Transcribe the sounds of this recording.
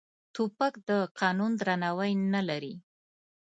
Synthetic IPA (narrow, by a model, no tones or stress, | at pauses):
t̪upakd̪əqʰɑnund̪ɾanawajnalaɾi